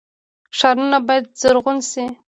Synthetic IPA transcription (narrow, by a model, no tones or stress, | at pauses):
ʂɑɾunabɑjad̪̚zəɾʁʊnsi